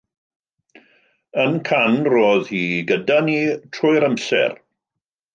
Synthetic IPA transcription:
ənkʰanroːðhiːɡədaniːtʰrʊjɾamsɛ̰r

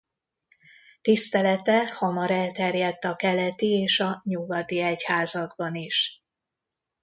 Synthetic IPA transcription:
t̪ist̪ɛlɛt̪ɛhɒmɒɾɛlt̪ɛrjɛt̪ːɒkɛlɛt̪ieːʃɒɲuɡɒt̪iɛchaːzɒɡbɒniʃ

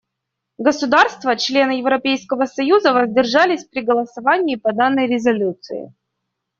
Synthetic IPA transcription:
ɡəsʊd̪arst̪vət͡ɕlʲe̞nɨjɪvɾɐpʲejskəvəsɐjuzəvəzʲdʲɪrʐalʲɪsʲpɾʲɪɡəlˠəsɐvanʲɪːpɐd̪anːəjɾʲɪzɐlʲut̪sɨ̰ɪ̰

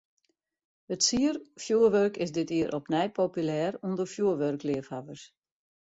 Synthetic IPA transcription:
ətsiərfjuːəʋørkɪzdɪtiəɾʔɔpnɛjpʰopylɛːrundərfjuəʋørklɪəfhaʋərs

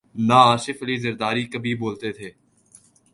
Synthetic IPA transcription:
naaːʃɪfɐliːzəɾd̪aːɾiːkəbʱiboːlt̪et̪ʰeː

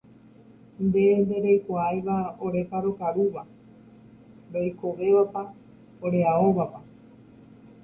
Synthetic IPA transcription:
nd̪e̞nd̪e̞ɾejkʷaajʋaoɾe̞faɾokaɾuʋa | ɾojkoʋe̞ʋapa | oɾeaoʋapa

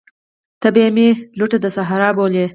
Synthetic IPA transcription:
t̪ɐbemelʊʈad̪əsaɦaɾɑːbole

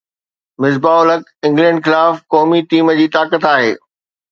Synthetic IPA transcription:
mɪzbaːʊləkɪ̃ŋɡlɛ̃ːɳɖxɪlaːfkɔːmiʈiːməd͡ʑiːt̪aːkət̪aːɦeː

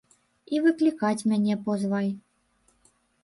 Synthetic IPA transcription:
ivɨklʲikat͡sʲmʲanʲɛpɔzvajʲ

